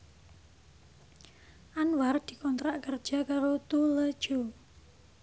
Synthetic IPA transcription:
ʔanward̪̥i̤kɔnt̪ɾaʔkərd̥ʒ̥a̤kaɾot̪uləd̥ʒ̥o

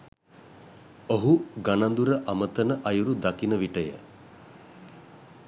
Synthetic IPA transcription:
oɦuɡanand̪uɾəʔamət̪ənəʔajuɾud̪akinəʋiʈəjə̰

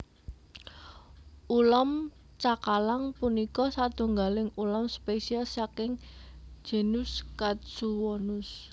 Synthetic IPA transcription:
ʔulɔm | t͡ʃakalaŋpunikɔsad̪̥ṳŋɡalɪŋulɔmspesialsakɪŋ̥d͡ʒ̥e̤nʊskat̪suwɔnʊs

